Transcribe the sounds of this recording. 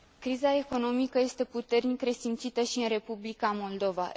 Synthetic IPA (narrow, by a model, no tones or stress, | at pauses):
kɾizae̞ko̞no̞mikəje̞st̪e̞put̪e̞rnikɾe̞simt̪sit̪əʃiɨnre̞publikamo̞ld̪o̞va̰